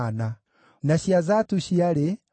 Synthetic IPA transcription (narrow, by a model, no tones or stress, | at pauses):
na | naʃiazatuʃiaɾe